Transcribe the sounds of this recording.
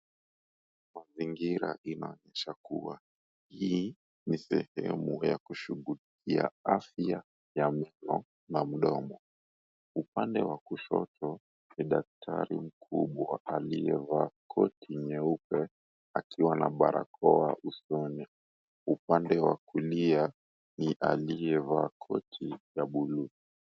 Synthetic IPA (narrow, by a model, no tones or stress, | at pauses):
maziŋɡiɾa̰ʔinaɔɲɛʃakuwa | hi | nisɛhɛ̰mujakuʃuɣulikia̰afia | jamɛnɔ | nam̩ɗɔmɔ | upandɛwakuʃɔ̰tɔ | niɗak̚tʰa̰ɾim̩kʰuɓwaʔalijɛvakʰɔtʰiɲɛupɛ | akʰiwana̰ɓaɾʔa̰kʰɔaʔusɔnɛ | upandɛwakulia | niʔalijɛvakʰɔtʰijaɓului